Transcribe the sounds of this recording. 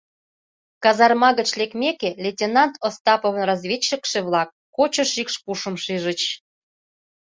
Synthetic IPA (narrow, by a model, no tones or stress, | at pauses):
kɑzɑrmɑɣət͡ɕlekmʲekelʲetʲenɑnt̪ost̪ɑpoβənrɑzβʲet͡ɕːəkʃeβlɑk̚ːot͡ɕə̆ʃikʃpuʃə̆mʃiʒə̆t͡ɕ